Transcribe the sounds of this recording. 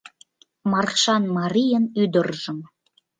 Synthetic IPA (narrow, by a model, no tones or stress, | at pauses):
mɑrχʃɑnmɑɾʲijənyd̪ərʒə̆m